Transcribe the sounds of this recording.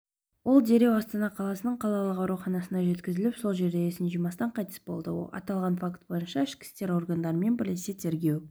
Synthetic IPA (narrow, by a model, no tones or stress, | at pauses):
wo̞lˠd̪e̞ɾe̞wɑst̪ɑnɑqʰɑlˠɑsənəɴqʰɑlˠɑlˠəqɑwɾuχɑnɑsənɑʒe̞t̪kʲɪzɪlɪpso̞lˠʒe̞ɾd̪eesɪnʒimɑst̪ɑɴqʰɑjt̪ə̥sbo̞lˠd̪ə̰wo̰lˠɑ̰t̪ɑlˠʁɑnfakt̪̚bo̞jənʃɑɪʃkʲɪ̥st̪e̞ɾo̞rɡand̪ɑɾəme̞nbɪɾleset̪ʰe̞ɾɡʲe̞w